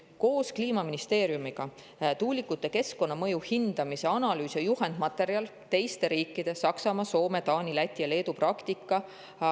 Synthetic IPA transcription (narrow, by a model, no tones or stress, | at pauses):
ko̞ːskliːmɑminist̪e̞ːɾjumiɡ̥ɑ | t̪uːlʲikːˑut̪ːˑe̞ke̞sko̞nːɑmɤ̞juhind̪̥ɑmise̞ɑnɑlyːsjɑjuhe̞nd̪̥mɑt̪ːˑe̞ɾiɑl | t̪e̞jst̪e̞ɾiːkːˑid̪̥e̞sɑksɑmɑso̞ːme̞t̪ɑːnʲilæt̪ʲːˑijɑle̞ːd̪uprɑkt̪ikːˑɑ